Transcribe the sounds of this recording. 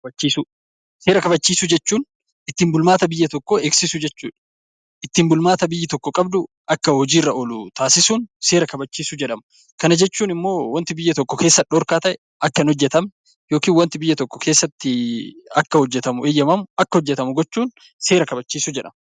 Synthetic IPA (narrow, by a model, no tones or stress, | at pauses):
bɐt͡ʃːiːsʊ | se̞ːɾɐkɐbɐt͡ʃːiːsʊd͡ʒɛt͡ʃːuːn | ɪt̪ːɪmbʊlmaːt̪ɐbɪjːɐt̪ɔkːoeːksɪsʊd͡ʒɛt͡ʃːṵːᶑ | ʔɪt̪ːɪmbʊlmaːt̪ɐbɪjːɪt̪ɔkːɔkʼɐbd̪ʊ | ʔɐkːɐhɔd͡ʒiːrːɐʔɔlʊt̪aːsɪsuːnse̞ːɾɐkɐbɐt͡ʃːiːsʊd͡ʒɛᶑɐmɐ | kɐnɐd͡ʒɛt͡ʃːuːnɪmːo̞ːwɐnt̪ɪbɪjːɐt̪ɔkːɔke̞ːsːɐᶑɔːɾkaːt̪ɐʔɛ | ʔɐkːɐnhɔd͡ʒːɛt̪ɐm | jo̞ːkiːnwɐnt̪ɪbɪjːɐt̪ɔkːɔ̥kʰeːsːɐt̪ːɪɐkːɐhɔd͡ʒːɛt̪ɐmʊeːjːɐmɐmʔɐkːɐhɔd͡ʒːɛt̪ɐmʊɡɔt͡ʃːuːn | se̞ːɾɐkɐbɐt͡ʃːiːsʊd͡ʒɛᶑɐ̰mɐ